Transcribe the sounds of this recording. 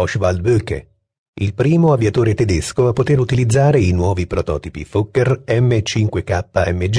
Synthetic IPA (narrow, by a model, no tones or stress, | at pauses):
ɔʃvald̪̚bøkḛ | ilpɾiːmoavjat̪oːɾet̪ɛd̪eskoapːot̪eɾut̪ilid̪zːaːɾeinwɔːvipɾot̪ɔ̰ːt̪ipḭfokːerɛmːet͡ʃiŋkwekapːaɛmːed͡ʒ